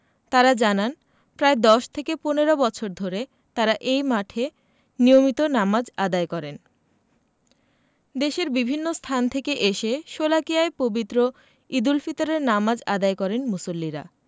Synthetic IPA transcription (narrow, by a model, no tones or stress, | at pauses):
t̪aɾad͡ʑanan | pɾaed̪ɔʃt̪ʰekeponeɾobɔt͡ɕʰoɾd̪ʱoɾe | t̪aɾaʔejmaʈʰe | nijomit̪onamad͡ʑad̪aekɔɾen | d̪eʃeɾbibʱinːost̪ʰant̪ʰekeʔeʃeʃolakijaepobit̪ːɾo | id̪ulfit̪oɾeɾnamad͡ʑad̪ajkɔɾenmusolːiɾa̰